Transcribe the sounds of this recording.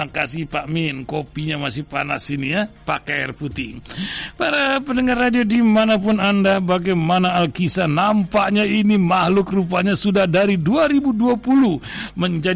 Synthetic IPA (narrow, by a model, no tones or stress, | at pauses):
akasɪhpamɪnkopiɲamasɪhpa̰na̰sinijapaka̰rput̪ɪŋpaɾapənəŋarːadiodimanapʊnandabaɡajmanaːlkisanampaʔɲainimahlʊkrup̬aɲasudahdaɾiduaɾibuduapuluh | məɲd͡ʒa